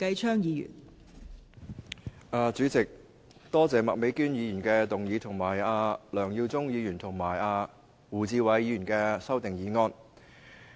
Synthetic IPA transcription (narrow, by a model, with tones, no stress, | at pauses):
kɐ˧jt͡ʃʰœː˥ŋjiː˨˧jy̰ː˨˩n | aː˧t͡syː˨˥t͡sɪ˨k̚ | t̪ɔː˥t͡sɛː˨mɐ̰˨k̚me˨˥jkyː˥njiː˨˧jyː˨˩nkɛː˧t̪ʊ˨ŋjiː˨˧t̪ʰʊ˨˩ŋmaː˨˩jaː˧lœː˨˩ŋjiː˧wt͡sʊ˥ŋjiː˨˧jyː˨˩nt̪ʰʊ˨˩ŋmaː˨˩jaː˧ | wuː˨˩t͡siː˧wɐ˨˥jjiː˨˧yː˨˩nkɛː˧sɐ˥wt̪ɪ˨ŋjiː˨˧ŋɔː˧n